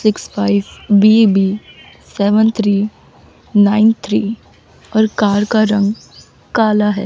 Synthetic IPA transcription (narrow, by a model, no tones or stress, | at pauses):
sɪkspʰaːɪʋbibiː | sɛːʋənt̪ʰɾiː | naːɪnt̪ʰɾiː | ɔːɾkaːɾkaɾɐ̃ŋɡ | kaːlaɦɛ̰ː